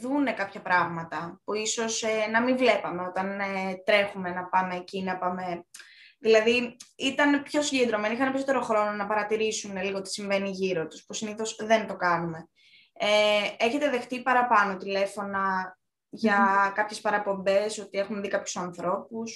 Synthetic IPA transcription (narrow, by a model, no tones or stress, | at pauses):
ðune̞kɐpçɐpɾɐɣmɐt̪ɐpuiso̞senɐmiɱvle̞pɐmeo̞t̪ɐnet̪ɾe̞xume̞nɐpɐme̞ːcinɐpɐme̞ | ðilɐðiit̪ɐnepço̞siɲɟend̪ɾo̞me̞nixɐnepiso̞t̪e̞ɾo̞xɾo̞no̞nɐpɐɾɐt̪iɾisuneliɣot̪isiɱve̞niʝiɾo̞t̪u̥spusiniθo̞sðe̞nt̪o̞kɐnume̞ | ee̞çe̞t̪e̞ðe̞xt̪ipɐɾɐpɐno̞t̪ile̞fo̞nɐ | ʝɐkɐpçe̞spɐɾɐpo̞mbe̞so̞t̪ie̞xunðikɐpçu̥sɐnθɾo̞pus